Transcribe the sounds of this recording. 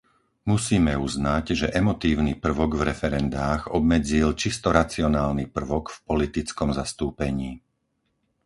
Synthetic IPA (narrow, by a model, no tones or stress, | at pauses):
musiːmɛuznaɟʒɛʔɛmɔt̪iːʊnipr̩ʋɔɡvɾɛfɛɾɛnd̪aːɣɔbmɛd͡zilt͡ʃist̪ɔɾat͡siɔnaːlnipr̩ʋɔkfpɔlit̪it͡skɔmzast̪uːpɛɲiː